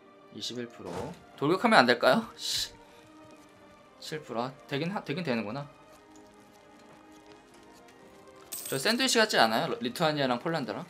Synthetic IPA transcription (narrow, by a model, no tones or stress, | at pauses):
iɕʰibiɭpʰuɾo | toɭɡjʌkʰamjʌnandeɭk͈ajoɕ | ɕʰiɭpʰuɾoateɡenɦatwe̞ɡentwe̞nɯŋɡona | t͡ɕʌɭs͈e̞ndɯiɕ͈ʰiɡat͡ɕ͈ianajoɾitʰɯaɲiaɾaŋpʰoɭːandɯɾaŋ